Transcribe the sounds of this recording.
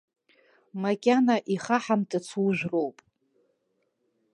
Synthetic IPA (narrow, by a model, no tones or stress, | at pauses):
makʲʼanaʔiχaħamtʰʼat͡sʰwuʒᶣʷro̞wpʼ